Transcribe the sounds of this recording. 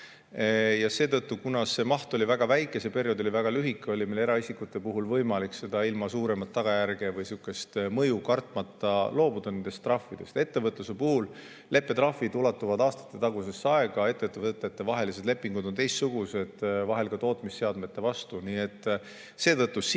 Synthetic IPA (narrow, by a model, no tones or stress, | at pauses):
jɑse̞ːt̪ɤt̪ˑːukunɑse̞mɑht̪o̞livæɡ̥ɑvæjkːˑesepe̞ɾjo̞d̪o̞lʲivæɡ̥ɑlyɦikːˑeo̞limele̞ɾɑisikːut̪ːe̞puɦulvɤjmɑlikse̞d̪̥ɑilmɑsuːɾe̞mɑt̪ːɑɡ̥ɑjærɡ̥evɯjsikːˑe̞st̪mɤjukɑrt̪ˑmɑt̪ːˑɑlo̞ːbud̪̥ɑne̞nd̪̥e̞st̪ːrɑfːid̪̥e̞st̪e̞t̪ːe̞vɤt̪lusepuhul | le̞pːe̞t̪rɑfːid̪ulɑt̪ːˑuvɑd̪ɑːst̪ɑ̥t̪ːˑe̞t̪ɑɡ̥use̞sːɑe̞ɡ̥ɑe̞t̪ːˑet̪ːˑevɤt̪ːˑet̪ːevɑɦe̞lis̬ele̞pːˑiŋɡud̪o̞nt̪e̞jst̪suɡ̥use̞d̪̥vɑɦe̞lɡ̥ɑt̪o̞ːt̪misːe̞ɑd̪me̞t̪ːˑe̞vɑst̪uniːe̞t̪ːˑ | se̞ːt̪ɤt̪ːˑus